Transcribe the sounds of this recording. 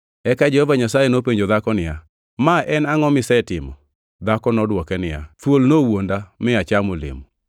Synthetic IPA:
ɛkad͡ʒɛhɔvaɲasajenopeɲd͡ʒod̪akɔnɪja | maʔɛnaŋɔmɪsɛtɪmɔ | d̪akɔnɔdwɔkɛnɪja̰t̪wolnowondamɪat͡ʃamolḛmu

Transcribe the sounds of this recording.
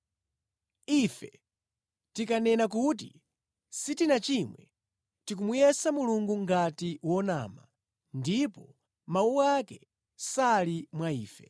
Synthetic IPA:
ifɛ | tikanɛnak̬ut̬i | sitinat͡ʃimwɛ | tik̬umujɛsamuluŋɡuŋɡatiwɔna̰ːma | ndipɔ | mauakɛ | salimwaiːfɛ

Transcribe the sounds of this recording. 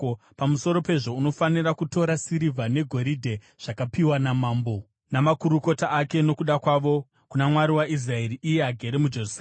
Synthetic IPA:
pamuso̞ɾo̞pe̞ʐo̞uno̞fanirakuto̞ɾasiɾivʱane̞ɡʱo̞ɾidʱe̞ | ʐ̥akapiwanamaːmbo̞ | namakuɾuko̞taʔːke̞no̞kuɗakwaʋo̞ | kunamwaɾiwais̬rae̞ɾiʔije̞aɡʱe̞ɾemud͡ʒe̞rus

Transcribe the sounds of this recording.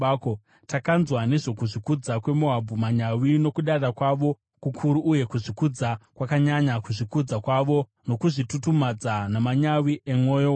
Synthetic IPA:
ko | takanzwane̞ʐo̞kuʐikud͡zakwe̞moɦabʱumaɲawino̞kuɗarakwaʋo̞ | kukʰuɾuʔːje̞kuʐikud͡zakwakaɲaɲakuʐikud͡zakwaʋo̞ | no̞kuʐitutumad͡zanamaɲawiʔemoːjo

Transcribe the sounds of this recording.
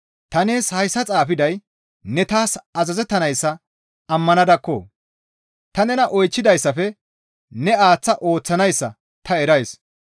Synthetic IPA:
t̪ɐneːshɐjsːɐt͡sʼaːfɪd̪ɐj | nɛt̪aːsɐzɐzɛt̪ːɐnɐjsːɐ | ɐmːɐnɐd̪ɐkːo̰ː | t̪ɐnɛnɐʔɔjt͡ʃːɪd̪ɐjsːɐfɛ | nɛaːt͡sːɐʔo̞ːt͡sːɐnɐjsːɐ̰ | t̪ɐɛɾɐjs

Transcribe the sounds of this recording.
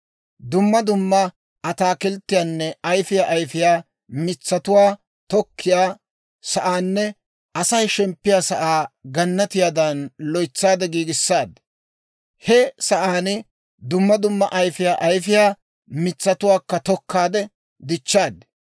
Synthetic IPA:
d̪ʊmːɐd̪ʊmːɐ | ʔɐt̪aːkɪlt̪ːɪjaːnːɛɐjfɪjaːʔɐjfɪjaː | mɪt͡sːɐt̪ʊwaː | t̪ɔkʰːɪjaː | sɐʔaːnːɛ | ʔɐsɐjʃɛmpːɪjaːsɐʔaːɡɐnːɐt̪ɪjaːd̪ɐnlɔjt͡sːaːd̪ɛɡiːɡɪsːaːd̪ | hɛsɐʔaːnɪ | d̪ʊmːɐd̪ʊmːɐʔɐjfɪjaːʔɐjfɪjaː | mɪt͡sːɐt̪ʊwaːkːɐt̪ɔkːaːd̪ɛ | d̪ɪt͡ʃːaːd̪

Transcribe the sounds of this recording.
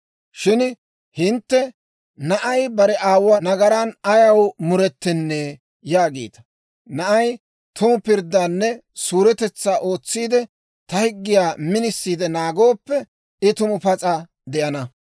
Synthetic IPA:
ʃɪn | hɪnt̪ːɛ | nɐʔɐjbɐɾɛʔaːwːɐnɐɡɐɾanɐjɐwmʊɾɛt̪ːɪnːeː | jaːɡḛːt̪ɐ̥ | nɐʔɐj | t̪ʊmʊpɪɾd̪ːaːnːɛsuːɾɛt̪ɛt͡sːaːʔo̞ːt͡sːiːd̪ɛ | t̪ɐhɪɡːɪjaːmɪnɪsːiːd̪ɛnaːɡo̞ːpːɛ | ɪt̪ʊmʊpɐt͡sʼɐ | d̪ɛʔɐnɐ

